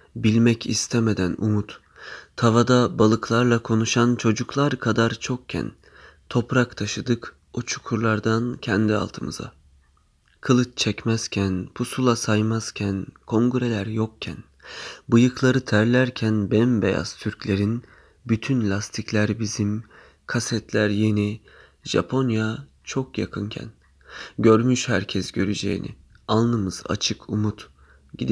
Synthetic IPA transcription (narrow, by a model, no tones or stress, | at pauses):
bilʲmɛcʰḭst̪ʰɛme̞d̪ænṵmut̪ːʰ | avad̪abalˠɯklˠaɾlˠakʰo̞nuʃant͡ʃʰo̞d͡ʒuklˠaɾkʰad̪aɾt͡ʃʰo̞kcʰæ̰n | t̪ʰo̞pɾakt̪ʰaʃɯd̪ɯk | ot͡ʃʰu̥kʰuɾlˠaɾd̪ancʰɛnd̪ia̰lˠt̪ʰɯmɯ̰za̰ | kʰɯlˠɯt͡ʃt͡ʃʰɛcmɛz̥cʲʰænpʰusulˠasajmaz̥cʲʰænkʰo̞ŋɡyɾe̞lʲæɾjok̚cʰɛ̰n | bɯjɯklˠaɾɯt̪ʰæɾlʲæɾcʰænbɛmbḛja̰z̥t̪ʰyɾcʰlʲe̞ɾin | byt̪ʰynlʲast̪ʰiclʲæɾbizim | kʰasɛt̪ʰlʲæɾje̞ni | ʒa̰pʰo̞nja | t͡ʃʰo̞kja̰kʰɯncʰæ̰n | ɟø̞ɾmyʃhæɾcʰɛsɟø̞ɾyd͡ʒe̞̰jḭnʔḭ | anˠnˠɯmɯz̥a̰t͡ʃʰɯkʰumut̪ | ɟid̪i